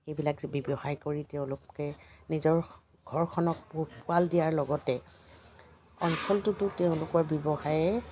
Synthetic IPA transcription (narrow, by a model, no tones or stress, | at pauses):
xejbilakbɔbɔxajkoɹitɛʊ̃lʊkːɛnizɔɹ | ɡ̥ʱɔɹkʰɔnɔk̚pupualdijaɹlɔɡɔtɛ | ɔnsɔltʊtʊtɛʊ̃lʊkɔɹbjɔbɔxajɛ